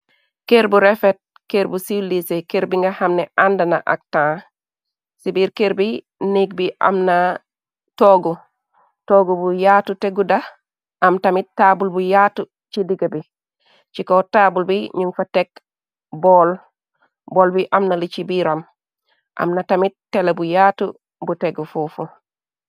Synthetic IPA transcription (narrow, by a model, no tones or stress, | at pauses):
keɾbuɾefet̚ | keɾbusiwlisekeɾbiŋɡahamneandanaʔa̰k̚tãː | sibiːɾkeɾbi | niɡ̚biʔa̰mna | toɡu | toːɡubujatuteɡuda | ʔamtamit̚tːabulbujaːtu | t͡ʃidiɡabi | t͡ʃikotaːbulbiɲuŋfatek̚ | boːl | bolbiʔamnalit͡ʃibiɾam | ʔa̰mnatamit̚tːelabujaːtu | buteɡufufu